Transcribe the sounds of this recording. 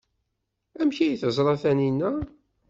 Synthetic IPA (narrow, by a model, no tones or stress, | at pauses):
æmçijiθəzˤɾˤɑθæninːæ